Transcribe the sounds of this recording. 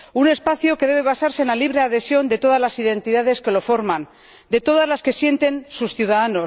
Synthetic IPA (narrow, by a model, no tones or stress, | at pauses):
une̞spaθjoke̞ðe̞β̞e̞βasaɾse̞ːnlaliβ̞ɾe̞aðe̞sjo̞nd̪e̞t̪o̞ð̞azlasiðe̞nt̪iðað̞e̞ske̞lo̞fo̞ɾmãn | d̪e̞t̪o̞ð̞azlaske̞sje̞nt̪e̞nsusθjuðaðano̞s